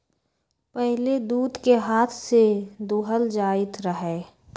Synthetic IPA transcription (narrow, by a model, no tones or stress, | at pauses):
pɛɦled̪uːd̪keɦaːt̪ʰsed̪uːɦəld͡ʒaːɪt̪ʰɾəɦeː